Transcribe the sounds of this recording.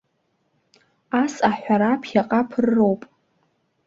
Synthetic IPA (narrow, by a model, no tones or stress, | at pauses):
asaħʷᶣaɾapʰjaqʼapʰɨrrːo̞wpʼ